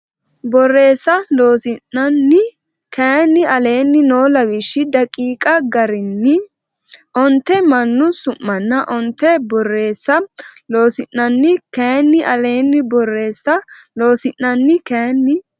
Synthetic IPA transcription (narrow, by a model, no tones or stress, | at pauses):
bɔrːe̞ːsːɐloːsɪnɐnːɪ | keːnːɪɐleːnːɪnoːlɐwɪʃːɪd̪ɐkʼiːkʼɐɡɐɾɪnːɪ | ʔɔnt̪ːɛmɐnːʊsʊmːɐnːɐʔɔnt̪ːɛbɔrːe̞ːsːɐlo̞ːsɪnːɐnːɪkeːnːɪʔɐle̞ːnːɪbɔrːe̞ːsːɐ | lo̞ːsɪnːɐnːɪkeːnːɪ